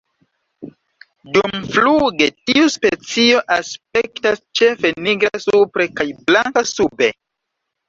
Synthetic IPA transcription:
dumfluɡe̞tiuspet͡sio̞ʔaspe̞ktast͡ʃe̞fe̞niɡɾasupɾe̞kajblaŋkasube̞

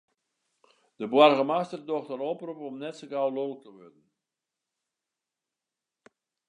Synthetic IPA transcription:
d̥əbwarɣəmastərdɔχtəɾɔprupɔmnɛtsəɡawlolək̚təʋɔrdən̩

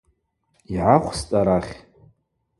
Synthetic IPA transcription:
iʕaχʷst͡sʼaɾaχʲ

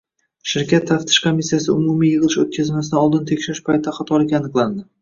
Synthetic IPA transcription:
ʃɪɾkʲʰat̪ʰːaft̪ʰɪ̥ʃkʰomisːijasɪʊmʊmijɨʁɨlˠɪʃot̪̚kʲʰazmasɪd̪ɪɒlˠd̪ɪnt̪ʰe̞kʲʃɪɾɪʃpʰajt̪ʰɪd̪aχat̪ʰɒlɪkʲanɨqlˠand̪ɪ

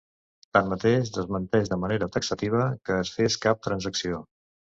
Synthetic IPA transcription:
t̪anmət̪eʃd̪əzmənt̪ɛʒðəməneɾət̪əksət̪iβ̞əkəːsfeskap̚t̪ɾənzəksio

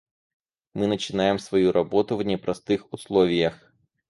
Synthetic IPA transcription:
mɨnɐt͡ʃɪnɑjemsʋɔjuɾɐbɔt̪ʊvnʲɛpɾɐst̪ɪxʊslˠɔʋʲijɐx

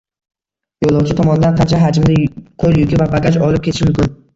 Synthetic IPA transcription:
jolˠɒwt͡ʃʰɪt̪ʰɒmɒnɪd̪anqʰɑnt͡ʃʰaɦad͡ʒɪmd̪aqʰoljʊɡʲɪvabaɡʲat͡ʃɒlɪp̚kʰʲeɪ̥ʃɪmʊmkʲɪn

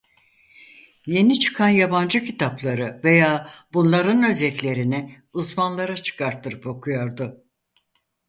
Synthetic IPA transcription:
je̞nit͡ʃʰɯ̥kʰanjaband͡ʒɯcʰit̪ʰaplˠaɾɯve̞jaːbunlˠaɾɯnø̞zɛt̪lʲe̞ɾinɛ | uzmanlˠaɾat͡ʃʰɯ̥kʰaɾt̪ʰːɯɾɯpo̞kʰujoɾd̪ʊ

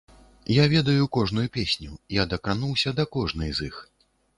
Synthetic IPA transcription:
javʲɛd̪ɐjukɔʐnujupʲesʲnʲujad̪ɐkanuwsʲɐd̪ɐkɔʐnɨjzix

